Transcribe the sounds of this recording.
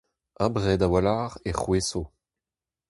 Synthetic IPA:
ãbʁɛːdawalaːʁeχweso

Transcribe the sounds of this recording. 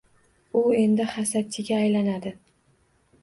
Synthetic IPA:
ʊe̞nd̪ɪhasat͡ʃʰɪɡʲaːjlanad̪ɪ

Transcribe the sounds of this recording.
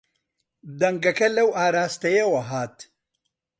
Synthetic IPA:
d̪ɐŋɡɐkɐlɐwaːɾaːst̪ɐjɐwɐɦaːt̪

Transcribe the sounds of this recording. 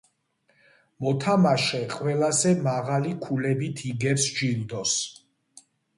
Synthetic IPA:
mɔt̪ʰamaʃɛqʼwɛlazɛmaʁalikʰulɛbit̪ʰiɡɛpsd͡ʒild̪ɔs

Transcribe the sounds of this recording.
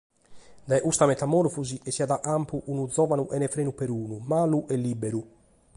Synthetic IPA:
d̪ɛʔust̪amɛt̪amɔɾfuziʔɛsiad̪aʔampuʔunud̪zɔvanuʔɛnɛfɾeːnupɛɾuːnumaːluʔɛlːibɛɾu

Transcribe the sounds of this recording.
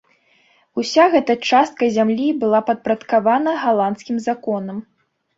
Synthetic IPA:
usʲaɣɛt̪ɐt͡ʂast̪̚kɐzʲamlʲibɨlˠapɐt̪̚pɾɐt̪kavanɐɣalˠant̪skʲimzakɔnɐm

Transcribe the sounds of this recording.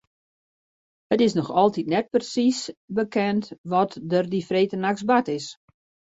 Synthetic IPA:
ətɪsnɔxɔlˠtitnɛt̚prsisbəkʰɛntʋɔtdərdifreːtənaksbatɪs

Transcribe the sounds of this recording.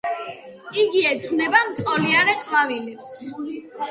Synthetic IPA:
iɡiɛd̪ʼnɛbamt̪sʼɔliaɾɛqʼlavilɛps

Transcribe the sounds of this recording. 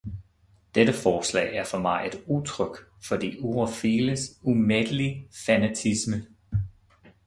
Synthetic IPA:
d̥edəfɒːslɛ̰ɪæɐfɒ̽mɑ̈ɪe̝d̥ut͡sʰʁœɡ̥ | fɒ̽d̥ḭːuʁofiːləsumed̥əlifænæt͡sʰismə

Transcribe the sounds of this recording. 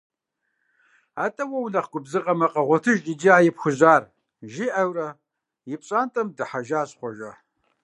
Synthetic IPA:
aːtʼɐwɐwnɐχɡʷʊbzɨqʼɐmɐqʼɐʁʷɔtʰɨʒʼid͡ʒiaːjɪpxʷʊʑaːr | ʒiʔɐwrɐ | jɪpɕʼaːntʼɐmdɨħaʒaːɕχʷɔʒɐ

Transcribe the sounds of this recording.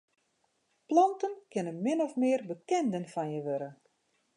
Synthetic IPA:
plɔntənkɪnənmɪnɔfmɪərbəkɛndənfanjəʋøɾə

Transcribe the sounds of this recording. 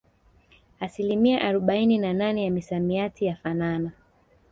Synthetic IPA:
asilimiaʔaɾɔɓaininananɛjamisamiatijafanana

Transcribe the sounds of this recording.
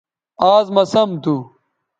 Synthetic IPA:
aːzmɐsɐmt̪u

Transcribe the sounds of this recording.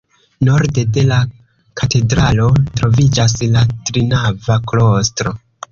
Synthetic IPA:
no̞ɾde̞de̞la | kʰate̞dɾalo̞tɾo̞vid͡ʒas̬latɾinavaklo̞stɾo̞

